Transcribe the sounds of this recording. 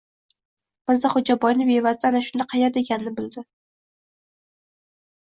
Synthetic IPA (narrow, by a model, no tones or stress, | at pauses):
b̥ɪɾzaχʊd͡ʒabɒjnɪbevazd̪anaʃʊnd̪aqʰɑjad̪eɡʲanːɪbɪld̪ɪ